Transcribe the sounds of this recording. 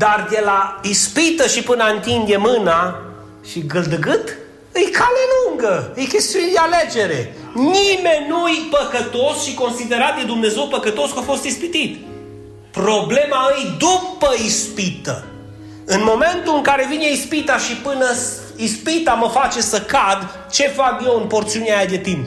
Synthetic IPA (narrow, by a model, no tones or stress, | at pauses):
d̪ard̪elaispit̪əʃipɨnaɨnt̪ind̪emɨna | ʃiɡɨld̪ɨɡɨt̪ | ɨjkʰaleluŋɡəɨjkʲe̞st̪ijund̪ealed͡ʒe̞ɾe̞ | nime̞nʲnujpəkət̪o̞sʃiko̞nsid̪e̞ɾat̪̚d̪ed̪umne̞ze̞wpəkət̪o̞skafo̞st̪ispit̪it̪ | pro̞ble̞maɨjd̪upəispit̪ə̰ | ɨnmo̞me̞nt̪uɨŋkaɾe̞vineispit̪aʃipɨnə | ispit̪aməfat͡ʃe̞səkad̪ | t͡ʃe̞fakje̞wɨnpo̞rt̪siuneajad̪e̞t̪imp